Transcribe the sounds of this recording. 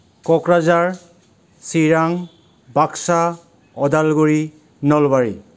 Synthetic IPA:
kɔkɾazaɹ | siɾaŋ | baksa | ɔdalɡuɾi | nɔlbaɹḭ

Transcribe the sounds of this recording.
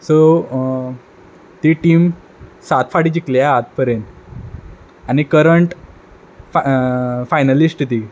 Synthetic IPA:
so | t̪iːʈiːm | sat̪faɽid͡ʑikljaɦːt̪̚pəɾen | anikəɾəɳʈ | fajnalisʈt̪i

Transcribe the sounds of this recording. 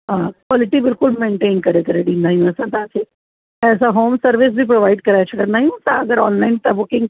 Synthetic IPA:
ɦãkʋɔːlɪʈibɪlkʊlmẽːɳʈeːnkɐɾekɐɾeɽinaːɦĩũɛsãt̪ãːt͡ʃʰe | ɛːs̬aɦoːmsəɾʋɪs̬bʱip̬ɾoʋaɪɖ̚kɐɾajat͡ʃʰɐkənaːɦĩũt̪aɐɡəɾɔːnlaɪnt̪abʊkɪ̃ŋɡ

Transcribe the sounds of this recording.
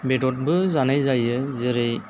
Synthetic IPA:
bedɔt̚bɯzanajzajɯzɯɾej

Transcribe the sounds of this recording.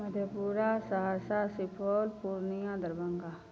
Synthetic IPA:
mɐd̪ʱjəpuːɾasɐɦaːsasɪpʰoːlpuːɾnijãd̪əɾbə̃ŋɡaː

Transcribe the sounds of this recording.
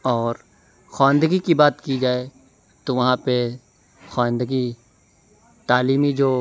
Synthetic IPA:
ɔːɾ | xaːə̃nd̪əɡikibaːt̪kid͡ʒaːe | t̪oʋɐɦãpe | xaːə̃nd̪əɡi | t̪aːliːmid͡ʒoː

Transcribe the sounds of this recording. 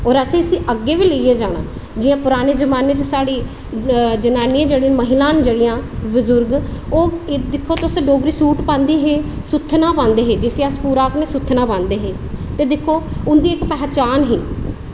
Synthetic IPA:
ɔːɾəsĩːəsĩːʔəɡːeːʋiːləijeːd͡ʒaːɽ̃ã̰ː | d͡ʒɪjãːpʊɾaːneːzəmaːneːt͡ʃsaːɽiː | d͡ʒənaːnijãːd͡ʒeːɽijãːməɦɪlãːnd͡ʒeːɽɪjãːbʊzʊɾɡoːd̪ɪkʰːoːt̪ʊsɖoːɡɾiːsuːʈpãːnd̪iːɦeː | sʊt̪ʰːnãːpãːnd̪eːɦeːd͡ʒɪseːəspuːɾaːknẽːsʊt̪ʰːnãːpãːnd̪eːɦeː | t̪eːd̪ɪkʰːoːʊnd̪iːɪkːpɛːt͡ʃaːnɦiː

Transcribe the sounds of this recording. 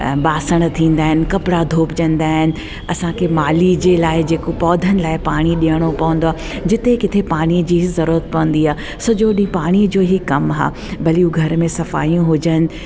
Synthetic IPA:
ɓaːsəɽ̃t̪ʰĩːn̆d̪aːɦɪnɪ̆kɐpɽad̪ʱoːpd͡ʑɐ̃nd̪aːɦɪnɪ̆ | ɐsãkʰeːmaːlid͡ʑeːlaːɪd͡ʑeːkopɔːd̪ʱənɪ̆laːɪpaːɽ̃iɗĩjəɽ̃opɐʋə̃n̆d̪oaː | d͡ʑɪt̪ekɪt̪ʰepaːɽ̃iəd͡ʑiːzɐɾuːɾət̪̚pɐʋə̃n̆d̪iɦaː | sɐd͡ʑoɗĩpaːɽ̃id͡ʑoːɦikɐmɦa̰ː | bɐliuɡʱɐɾmẽsɐfa̰ːijũɦʊd͡ʑənɪ̆

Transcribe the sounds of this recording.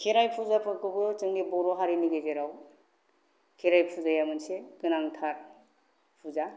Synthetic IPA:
kʰiɾajpʰuzapʰɯɾkʰɯbɯt͡ʃɯŋdibɔɾɔɦaɾiniɡezeɾaw | kʰiɾajpʰuzajamɯnsekɯnaŋtʰaɾ | pʰuza

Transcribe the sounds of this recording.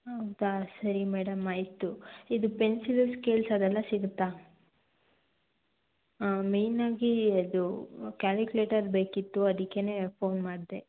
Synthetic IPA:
ɦɐwd̪asɐɾimɛːɽɐmaːjt̪ːuid̪upe̞nsilɐɾskeːlsɐd̪ɛlːɐsiɡut̪ːa | me̞jnaːɡiɐd̪ukʲaːlkule̞ːʈɐɾbe̞ːkit̪ːuɐd̪ikːe̞ne̞ːpʰo̞ːnmaːɽd̪e

